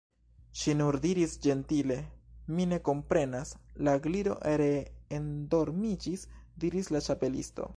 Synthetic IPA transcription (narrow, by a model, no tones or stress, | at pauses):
ʃinuɾdiɾisd͡ʒe̞ntile̞mine̞ko̞mpɾe̞naslaɡliɾo̞̰ʔɾe̞endo̞ɾmid͡ʒisdiɾislat͡ʃape̞lḭsto̞̰